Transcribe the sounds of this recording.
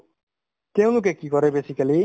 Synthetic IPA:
t̪eũluk̬ɛkikɔɾebeːsikɐli

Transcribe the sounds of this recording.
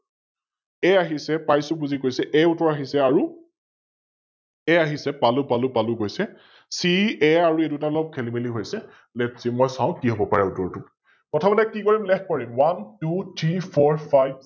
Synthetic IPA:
ɛaɦisɛpajsʊbuzikojsɛʔɛutɔɹaɦisɛaɹu | ɛaɦisɛpalʊpalʊpalʊɡojsɛ | siɛaɹuedutalɔp̚kʰɛlimeliɦojsɛ | lɛtsimɔjsaʊ̃kiɦobɔpaɹɛutɔɹtʊ | kɔtʰabɔtɛkikɔɹimlɛkkɔɹimwantutʰɹipʰɔɹpʰajb̚

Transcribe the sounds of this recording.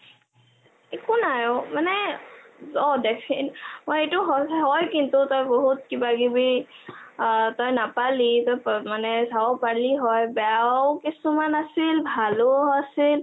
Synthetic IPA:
ekʊnajɔmanɛ | zɔdɛpʰɛnmojetʊɦɔɦɔjkintʊtɔjboɦutkibaɡibi | tɔjnapalitɔjpmanɛzaɔpaliɦɔjbɛakisumanasilbʱaloasil

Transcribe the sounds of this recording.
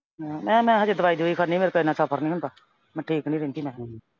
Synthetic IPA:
mɛ̃ːmɛ̃ːɦaəd͡ʒeːd̪əʋaːiːd̪iːoiːkʰəɾnĩːmeːɾkəɪnãːsaːpʰəɾnĩːɦʊnd̪aː | mɛ̃ːʈʰiːknĩːɾɪnt̪iːmɛ̃ː

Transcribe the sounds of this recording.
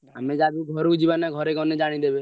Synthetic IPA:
amed͡ʒad̪uɡʱɔɾukd͡ʒibanaɡʱɔɾekɔned͡ʒaɽ̃id̪ebe

